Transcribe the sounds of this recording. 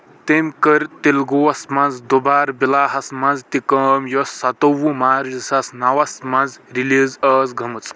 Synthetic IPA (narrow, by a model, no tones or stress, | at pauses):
t̪emkəɾt̪elɡoɐsmãnd͡zd̪obaːɾbilaːɦɐsmand͡zt̪ikɐmjosːat̪owumaːɾzisasnawɐsmãnd͡zɾilizəːzɡʱɐmɨt͡s